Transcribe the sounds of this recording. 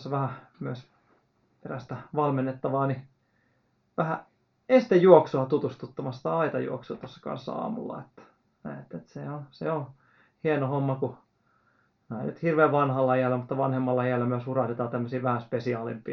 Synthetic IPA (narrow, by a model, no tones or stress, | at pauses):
sːɑʋæhæ | myøs | peræst̪æʋɑlmenːet̪ːɑʋɑːni | ʋæhæ | eisi̥t̪æjuoksoɑt̪ut̪ust̪ut̪ːɑmɑst̪æɑit̪ɑjṵoksṵːt̪osːɑ̥kɑ̰nsːɑ̰ɑ̰ːmṵlːɑ̰et̪ːæ̥ | næet̪ːet̪seonseo | hienohomːɑku | næḭnyt̪hirʋeːʋʋɑnhɑlːɑiælːæmut̪ːɑʋɑnhemːɑlːɑiælːæmyøshurɑht̪et̪ɑːt̪æmːøsiːʋæhæspesiɑːlimpˑḭː